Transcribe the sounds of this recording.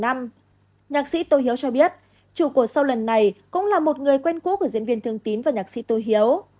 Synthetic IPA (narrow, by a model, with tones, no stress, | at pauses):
a˧m | ɲaː˨˩k̚sḭ˧˥t̪o˧˩jɦi˨˦əwt͡ɕɔ˧ɓi˦˥ət̚ | t͡ɕu˧˩ku˧˩əsa˧wlə˨˩nːa˨˩jkʊ̰˧˥ŋ͡mlaː˨˩mo˨˩t̚ŋɨ˨˩əjkwɛ˧nkṵ˧˥kəzḭ˧˥ənvi˧ənt̪ɨ˧əŋt̪i˨˦nvaː˨˩ɲaː˨˩k̚sḭ˧˥t̪o˧˩jɦi˨˦ə˦w